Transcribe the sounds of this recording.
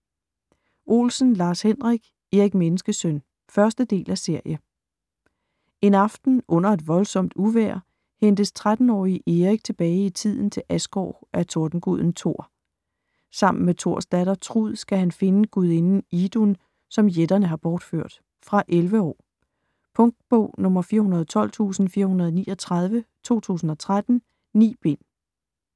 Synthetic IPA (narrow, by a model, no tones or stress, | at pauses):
ʔo̝̰ːlsn̩lɑ̈ːshen̰ʁiɡ̥ | eʁiɡ̥menəsɡ̥əsøn | fɶɐsd̥əd̥e̝̰ːlʔæse̝ɐ̰jə | e̝nɑ̈fd̥n̩ʔɔ̽n̰ɐe̝d̥ʋɒ̽lsɒ̽m̰d̥uʋæɐ̰ | hend̥əst͡sʰʁad̥n̩ɒ̰ːiʔeʁiɡ̥̚t͡sʰe̝b̥ɛːɪit͡sʰið̞̰ˠn̩t͡sʰe̝lʔæsɡ̥ɒ̰ːʔæt͡sʰoɐd̥n̩ɡ̥uð̞̰ˠn̩t͡sʰo̝ɐ̰ | sɑ̈m̰n̩met͡sʰo̝ɐ̰sd̥æɾ̥ɐt͡sʰʁuð̰ˠsɡ̥æhænfe̝nəɡ̥uð̞̰ˠe̝nn̩id̥un | sɒ̽mjed̥ɐnəɦɑ̈b̥ɒːd̥føɐ̰d̥ | fʁɑ̈ʔelʋəɒ̰ː | pʰɔ̽ŋ̚d̥̚b̥ɔ̰ʊ̰nɔ̽mɐfiːɐhunɐðˠt͡sʰɒ̽l̰t͡sʰṵːsn̩fiːɐhunɐð̞ˠniːɒt͡sʰʁɑ̈ð̞ˠʋət͡sʰo̝̰ːt͡sʰṵːsn̩ɒ̽t͡sʰʁad̥n̩ | nḭːb̥e̝n̰